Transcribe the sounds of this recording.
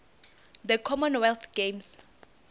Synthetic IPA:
d̪əkʰɔmɔnwɛlt̪ʰɡ̥ems

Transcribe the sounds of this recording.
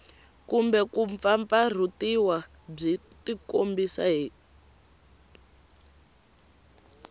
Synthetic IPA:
kumbɛkuɱfaɱfar̤utiwa | b͡ʐi | tikombisa̰ɦiː

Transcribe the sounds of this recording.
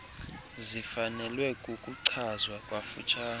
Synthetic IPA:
zifanɛlwɛkʼukʼuǀʰazwakʼwafṵt͡ʃʰʼaːn

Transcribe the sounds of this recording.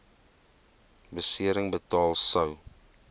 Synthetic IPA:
bəsiəɾəŋbətɑːlˠsəw

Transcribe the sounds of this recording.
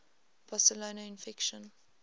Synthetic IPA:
b̥ɔsəlonaɪ̃nfɪkʃə̃n

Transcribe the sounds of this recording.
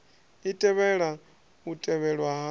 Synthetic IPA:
itʼɛβɛɺa | utʼɛβɛɺwaɦa

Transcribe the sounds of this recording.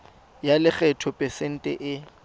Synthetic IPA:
jalɪk͡xɛtʰɔpʼɛsɛn̩tʼɛ̰ʔɪ

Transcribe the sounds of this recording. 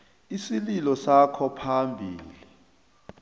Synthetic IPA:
isililɔsakʰɔpʰambʱiːli

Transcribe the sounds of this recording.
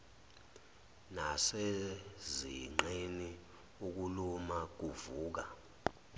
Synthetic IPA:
naseziŋ͡ǃeni | uk̬ulumak̬uvuːk̬a

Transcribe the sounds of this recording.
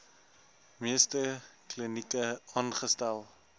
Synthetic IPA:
miəstəklənikəɑːnχəstælˠ

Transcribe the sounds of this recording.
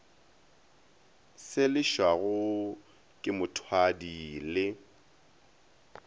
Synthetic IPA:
sɪlɪʃwaɣʊ | kʼɪmʊtʰwadiːlɪ

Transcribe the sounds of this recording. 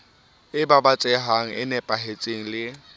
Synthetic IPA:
ɪbabat͡sʼɛɦaŋ̩ʔɪnɛpʼaɦet͡sʼeŋ̩lɪ

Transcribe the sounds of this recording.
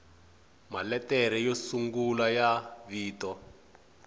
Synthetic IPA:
malɛtɛɾɛjosuŋɡulajaβiːtɔ

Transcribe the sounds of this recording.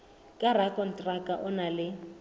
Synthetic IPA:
kʼarakʼɔn̩tʼrakʼaʔʊnalɪ

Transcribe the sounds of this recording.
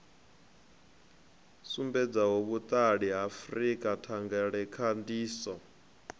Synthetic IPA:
sumbɛd͡zaɦoβut̪ʼaɺiɦafrikʼatʰaŋɡɛɺɛkʰandiːsɔ

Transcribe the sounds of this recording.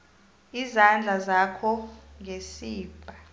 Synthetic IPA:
izand͡ɮʱazakʰɔŋʱesiːb̥ʱa

